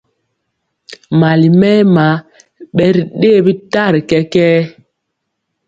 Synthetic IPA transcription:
ma˨li˨mɛ˦ma˨˦ | ɓɛ˨˦ɾi˨ɗe˦˨bi˦ta˦˨ɾkɛ˦kɛː˦

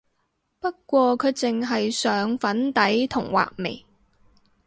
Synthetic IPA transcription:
pɐ˥k̚kːʷɔː˧kʰɵ˨˧ɥt͡sɪ˨ŋɦɐ˨jsœː˨˧ŋfɐ˨˥nt̪ɐ˨˥jt̪ʰʊ˨˩ŋwa̰ː˨k̚mḛ˨˩j

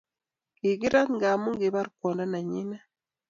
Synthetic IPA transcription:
i˨ɡi˦ɾa˦t̪ŋɡa˨mu˦ŋɡe˨βa˦ɾkwɔ˨nda˦na˨ɲi˦na˦

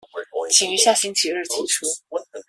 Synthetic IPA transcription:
t͡ɕʰi˨˩ŋy˧˥ɕja˥˩ɕi˥nt͡ɕʰi˧˥ɻɻ̩˥˩t̪ʰi˧˥ʈ͡ʂʰu˥

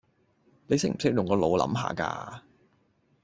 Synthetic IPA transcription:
le˨˧jsɪ˥k̚m̩˨˩sɪ˥k̚jʊ˨˩ŋkɔː˧lo˨˧wlɐ̰˨˥mɦa̰ː˨ka̰ː˧

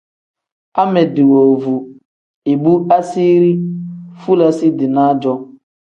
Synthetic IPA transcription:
a˦mɛ˨dɪ˨wo˨vu˨ | e˨bu˦a˦si˦ɾi˦fu˦la˦sɪ˦dɪ˨na˦d͡ʒɔ˦

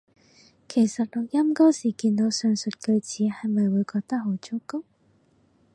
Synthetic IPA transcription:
kʰe˨˩jsɐ˨t̚lɔ˨˩k̚jɐ˥mkɔ˥wsiː˨˩kiː˧nt̪o˨˧˥wsœː˨˧ŋsɵ˨t̚kɵ˧ɥt͡siː˨˥hɐ˨jmɐ˨jwuː˨˧jkɔː˧k̚t̪ɐ˥k̚ɦo˨˥wt͡sʊ˥kʊ˥k̚

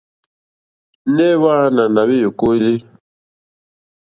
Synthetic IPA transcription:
nɛ˦βa˦na˨na˨βi˦jo˨ko˦i˦li˦

